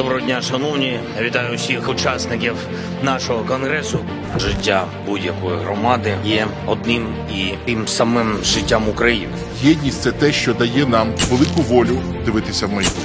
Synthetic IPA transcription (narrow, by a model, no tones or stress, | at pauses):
d̪ɔbɾɔɦɔdʲnʲaʃɐnɔwnʲijaʋʲit̪ɑjʊʊsʲixʊt͡ʃɑsnɪkʲiw | nɑʃɔɦɔkɔnɦɾɛsʊ | ʒɪtʲːa | budʲjɐkɔjiɦɾɔmɑd̪ɪjɛ | ɔd̪nɪm | it̪ɪmsɐmɪmʒɪtʲːamʊkɾɐjinɪ | jʲjɛdʲnʲisʲt̪sɛt̪ɛʃt͡ʃɔd̪ɐjɛnɑmʋelˠɪkʊʋɔlʲʊ | d̪ɪʋɪt̪ɪsʲɐwmɪji